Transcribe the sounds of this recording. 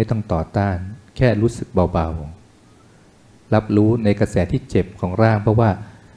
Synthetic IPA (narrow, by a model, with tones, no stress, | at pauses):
jt̪ɔ˥˩ŋt̪ɔː˨˩t̪aː˥˩nkʰɛː˥˩ɾuː˦˥sɯ˨˩k̚ba˧wba˨˧w | la˦˥p̚ɾuː˦˥na˧jkɾa˧sɛː˩˦t̪ʰiː˥˩t͡ɕe˨˩p̚kʰɔː˩˦ŋɾaː˥˩ŋpʰɾɔ˦˥waː˥˩